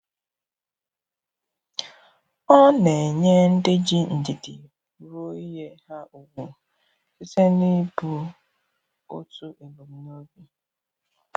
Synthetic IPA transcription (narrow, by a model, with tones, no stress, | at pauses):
ɔ˦ne˨ɲe˦n̩˦dɪ˦d͡ʒi˦n̩˨di˨dɪ̰˨ | ɾo˦i˦ɦe˦ha˦u˨wʷʊ˦˨ | sɪ˦se˦ni˦bu˨˦ | o̰˦tu˦ʔe˨bo˨m̩˦no˦bi˦